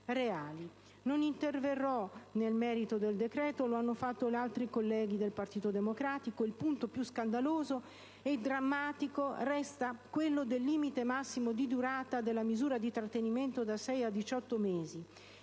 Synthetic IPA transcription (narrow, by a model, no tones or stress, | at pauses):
reaːli | nonint̪erverːɔnelmɛːɾit̪od̪eld̪ekɾɛːt̪oloanːofat̪ːolealt̪ɾikolːɛːɡid̪elpart̪iːt̪od̪emokɾaːt̪ikoilpunt̪opjuskand̪aloːzo | ed̪ɾamːaːt̪ikorɛst̪akwelːod̪elːiːmit̪emasːimod̪id̪uɾaːt̪ad̪elːamizuːɾad̪it̪ɾat̪ːeniment̪od̪asɛjad̪it͡ʃɔt̪ːomeːzi